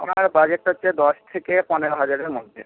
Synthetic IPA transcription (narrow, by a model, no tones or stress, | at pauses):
o̰maɾbad͡ʑeʈːotːed̪ɔʃt̪ʰekepɔneɾoɦad͡ʑaɾeɾmod̪ʱːḛ